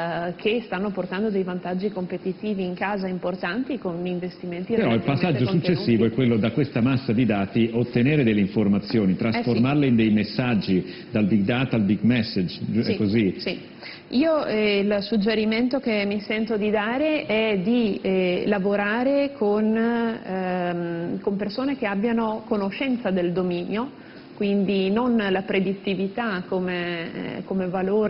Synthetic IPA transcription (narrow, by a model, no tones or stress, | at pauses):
kʰest̪anːoport̪and̪od̪ejvant̪ad͡ʒːikompet̪it̪iːviːŋkaːzaimport̪ant̪ikoniɱvest̪iment̪ipeɾɔipasːad͡ʒːosut͡ʃt͡ʃːesːiːvoɛkːwelːod̪akwest̪amasːad̪id̪aːt̪iot̪ːeneːɾed̪elːeiɱformat̪sːjoːnit̪ɾasformarleind̪ejmesːad͡ʒːi | d̪albiɡ̚d̪aːt̪albiɡmɛsːed͡ʒɛkːozisi | iːoilsud͡ʒːeɾiment̪okemːisɛnt̪od̪id̪aːɾeɛd̪ilavoɾaːɾekʰon | kompersoːnek̟eabːjanokonoʃɛnt̪sad̪eld̪omiːnjo | kwind̪inonlapɾed̪it̪ːivit̪akːomekomevaloːɾ